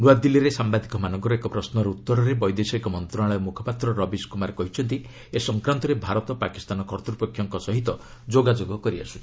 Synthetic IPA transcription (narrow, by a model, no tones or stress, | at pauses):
ɾuad̪ilːiɾesambad̪ʱikɔmanɔŋkɔɾɔekɔpɾɔsnɔɾeut̪ːɔɾɔɾebɔjd̪esɔekɔmɔnt̪ɾɔaɭɔjmukʰɔ̥pat̪ɾɔɾɔbiskumaɾekɔɦit͡ʃʰɔnt̪i | esɔŋkɾant̪ɔɾebʱaɾɔt̪ɔpaki̥st̪anɔkʰɔɾt̪ɾupɔkʰːjɔŋkɔsɔɦit̪ɔd͡ʒoɡad͡ʒoɡɔkɔɾia̰su̥